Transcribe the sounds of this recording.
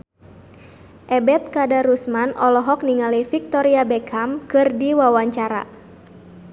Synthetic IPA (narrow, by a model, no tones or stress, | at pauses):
ʔɛbɛt̪̚kadaɾusmanɔlɔɦɔk̚niŋalifik̚t̪ɔɾiabɛkʰamkɨrdiwawaɲt͡ʃaɾa̰